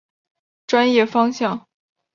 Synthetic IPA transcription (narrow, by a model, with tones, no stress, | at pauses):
ʈ͡ʂwa˥njɛ˥˩fɑ˥ŋɕjɑ˥˩ŋ